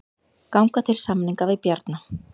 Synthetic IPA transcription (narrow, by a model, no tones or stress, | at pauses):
kawŋkat̪ʰɪlsamniŋkavɪðpjaɾt̪na